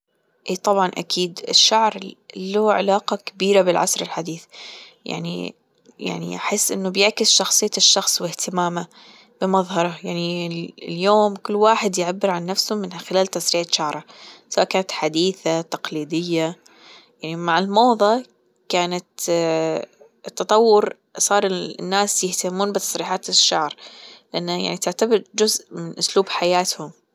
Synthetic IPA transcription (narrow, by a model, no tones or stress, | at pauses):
ʔiːt̪ˤɑbʕɑnʔa̰kiːd̪ɪ̰ʃːaʕɾluːʕa̰laːqɑkabiːɾabɪlʕa̰sɾɪlħad̪iːθja̰ʕnḭ | ja̰ʕnḭʔa̰ħɪsːʔɪnːʊbjɪʕkɪsʃɑxsˤɨjːaʃːɑxsˤwɪht̪ɪmaːma | b̥ɪmɑðˤhɑɾˤɑjaʕniljoːmkʊlːwaːħɪd̪jɪʕabːɪɾʕanːafsʊmːɪnxɪlaːlt̪asɾiːʕɪʃaʕɾˤɑsawʔakaːnat̪ħad̪iːθat̪ɑqliːd̪ɪjːa | jaʕnimaʕɪlmoːðˤɑ | kaːnat̪ | t̪ːɑt̪ˤɑwːʊɾ | sˤɑːɾˤnːaːsjɪht̪amuːnbɪt̪ɑ̥sˤɾiːħaːt̪ɪʃːɑʕɾˤlɪʔanːajaʕnit̪ɪʕt̪abɪɾd͡ʒʊzʔmɪnʔʊsluːbħajaːt̪hʊm